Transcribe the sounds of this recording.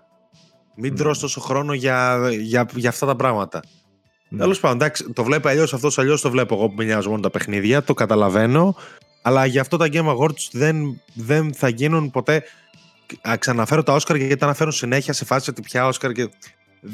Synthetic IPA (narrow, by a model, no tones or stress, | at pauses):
mid̪ɾost̪o̞so̞xɾo̞no̞ʝɐʝɐʝɐːft̪ɐt̪ɐpɾɐɣmɐt̪ɐ | t̪e̞lo̞spɐnd̪od̪ɐksi̥t̪o̞vle̞poɐʎo̞sɐft̪osɐʎo̞st̪ovle̞poɣo̞pumiʎɐzomo̞not̪ɐpe̞xniðʝɐt̪o̞kɐt̪ɐlɐve̞no̞ | ɐlɐʝɐːft̪o̞t̪ɐɟenimɐɣo̞ɾt̪u̥sðenðe̞nθɐʝinunpo̞t̪e̞ | ɐksɐnɐfe̞ɾot̪ɐo̞skɐɾɐʝɐt̪ɐnɐfe̞ɾunsine̞çiɐse̞fɐssio̞t̪ipçɐo̞skɐɾce